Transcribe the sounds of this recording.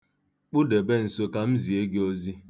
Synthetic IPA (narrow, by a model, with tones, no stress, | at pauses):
k͡pʊ˦de˨be˦n̩˨so˦ka˨m̩˦zi˨e˦ɡe˦o˦zi˦